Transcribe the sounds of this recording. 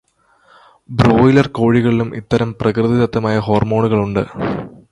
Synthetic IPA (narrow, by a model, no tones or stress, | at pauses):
bɾoːjilɐrko̞ːɻiɣɐɭilumʔḭt̪ːɐɾɐmprɐkrɨðit̪ɐt̪ːɐmaːjɐɦo̞ːrmo̞ːɳuɣɐɭuɳɖɨ